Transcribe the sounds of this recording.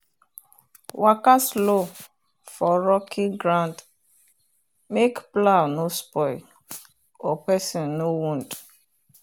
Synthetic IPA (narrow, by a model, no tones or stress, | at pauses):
wakaslo | fɔɾɔkʰiɡɾãnd | mekplanospɔɪ | opɛsĩnːowũnd